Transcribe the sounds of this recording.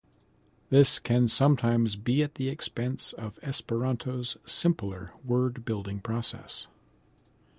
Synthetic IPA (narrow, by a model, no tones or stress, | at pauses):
ðɪskʰɨ̃nsʌ̃mtʰãɪ̃mzbiɨt̪̚ðiɨkspɛ̃nsʌvɛspə˞ɑ̃ntʰoʊz̥sɪ̃mpl̩ˠə˞wɜ˞d̚bɪlˠdɪ̃ŋpʰɹ̥ɔsɛ̰s